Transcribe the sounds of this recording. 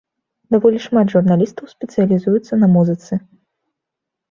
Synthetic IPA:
d̪avɔlʲiʂmad̪ʐurnalʲist̪ɐwsʲpʲɛt̪sɨjɐlʲizujut̪sːɐnɐmuzɨt̪sɨ

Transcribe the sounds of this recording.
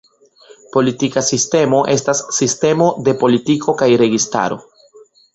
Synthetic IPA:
po̞litikasiste̞mo̞ʔe̞stasːiste̞mo̞de̞po̞litikʰo̞kajɾe̞ɡista̰ɾo̞̰

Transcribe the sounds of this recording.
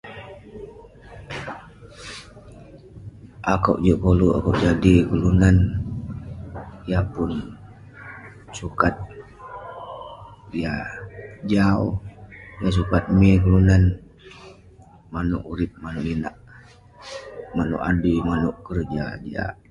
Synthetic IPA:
ʔakawʔd͡ʒuʔkoluʔa̰kawʔd͡ʒadikəlunan | ijapʊn | sukat̪̚ | ija | d͡ʒaojas̬ukat̪̚mikəlunan | manʊ̰ʔuɾɪp̪̚manuʔlinaʔ | manṵʔadimanʊʔkərd͡ʒa̰d͡ʒa̰ʔ

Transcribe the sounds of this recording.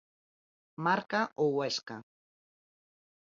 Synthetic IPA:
maɾkaowaʃka

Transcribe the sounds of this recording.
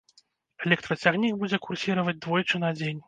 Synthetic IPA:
ɛlʲɛkt̪ɾɐt͡sʲaɣnʲiɡbud͡zʲɛkursʲiɾɐvɐd͡zʲd̪vɔjt͡ʂɨnad͡zʲenʲ

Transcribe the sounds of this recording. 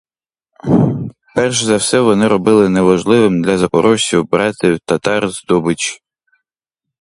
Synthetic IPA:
pɛrʃzɐwsɛʋɔnɪɾɔbɪlˠɪnɛʋɐʒlˠɪʋɪmd̪lʲɐzɐkɔɾʔɔtʲiwbɾɑt̪ʲɪwt̪ɐt̪ɑrzd̪ɔbɪt͡ʃ

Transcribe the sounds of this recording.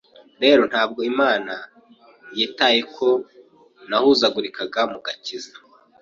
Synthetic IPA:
ɾe̞ːɾo̞n̥haːb̚ɡo̞imaːna | jeːtajekʰo̞ | nahuzaɡuɾikaɡamuɡaciza

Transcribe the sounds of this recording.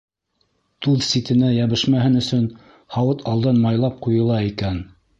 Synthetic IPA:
t̪ʉðsit̪ɘ̆næjæβɘ̆ʃmæhɘnɵ̆sɵn | hɑwɤt̪ʰɑlˠd̪ɑnmɑjlˠɑp̚qujɤ̆lˠɑikæn

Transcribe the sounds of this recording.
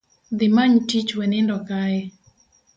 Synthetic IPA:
d̪ɪmaɲtit͡ʃwɛnɪndɔkaɛ

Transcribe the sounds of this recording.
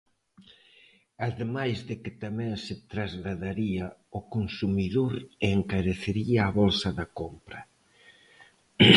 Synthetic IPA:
aðemajzðɪkɪt̪amɛ̃ŋsɪt̪ɾazɣlaðaɾiɐokonsumiðoɾeŋkaɾeθeɾiaːβolsɐðɐkompɾɐ

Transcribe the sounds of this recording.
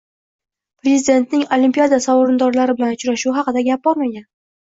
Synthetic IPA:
pɾe̞zɪd̪e̞nt̪nɪŋolimpijad̪asɒwɾɪnd̪ɒɾlaɾɪbɪlanʊt͡ʃɾaʃuɦɑqɨd̪aɡʲap̚b̥ɒɾmaɡʲan

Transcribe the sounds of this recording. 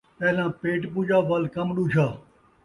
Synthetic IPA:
pɛːlãːpeːʈpuːd͡ʒaːʋɐlkəmɗuːt͡ʃʰaː

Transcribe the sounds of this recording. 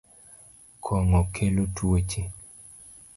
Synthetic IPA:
kʰɔŋɔkʰelotwet͡ʃi

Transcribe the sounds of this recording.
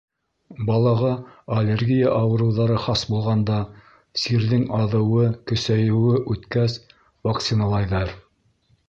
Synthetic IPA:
bɑlˠɑʁɑɐlʲerɡʲijaʔɑwɤ̆ɾɤ̆wðɑɾɤχɑsbulˠʁɑnd̪ɑ | siɾðɘŋɑðɤ̆wɤkɵ̆sæjɘ̆wɘʔʉt̪kæs | vakt̪sinɑlˠɑjðɑɾ

